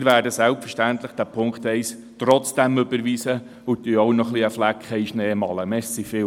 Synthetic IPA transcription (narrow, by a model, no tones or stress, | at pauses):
ɾʋæːɾdəsɛlpfəɾʃtænt̪ləχd̥æpʰʊŋkt̪ɛɪs | t̪ɾɔt͡sd̥æmɵbəɾʋiːsə | ʊt̪yownɔχliəflækχɛiʃneːmɑləmɛssifɪ